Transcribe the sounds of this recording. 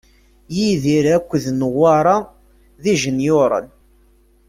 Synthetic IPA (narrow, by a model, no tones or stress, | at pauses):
jiðiɾækʷːðnəwaɾˤɑ | ðiʒənjʊɾˤə̰n